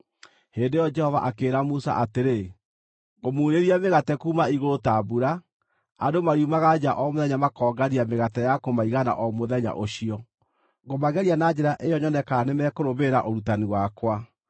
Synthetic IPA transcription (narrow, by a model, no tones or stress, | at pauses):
heːndejɔd͡ʒɛhɔva̰ʔakeːɾamusa̰ʔateɾe | ɣomuːɾeɾiameɣatɛkuːmaiɣoɾotaːbuɾa | adomaɾiumaɣad͡ʒaʔɔmoðɛɲamakɔːɡaɾiameɣatɛjakomaiɣana̰ʔɔmoðɛɲa̰ʔoɕiɔ | ɡomaɣɛɾianad͡ʒɛɾaʔejɔɲɔnɛkanemɛkoɾoβeɾaʔoɾutaniwakwa